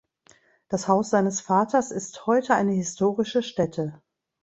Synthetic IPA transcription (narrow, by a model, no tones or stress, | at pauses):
d̥ashaʊsz̥aɪnəsfaːtʰɐsɪsthɔʏtəaɪnəhɪstʰoːʁɪʃəʃtɛtʰə